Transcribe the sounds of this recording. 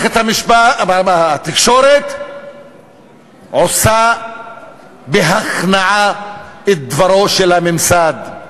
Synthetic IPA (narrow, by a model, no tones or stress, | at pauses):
et̪hamiʃba | t̪ikʃo̞ɾet̪ | ʕosa | beɦaχnaʕaet̪̚d̪vaɾo̞ʃelhamimsad̪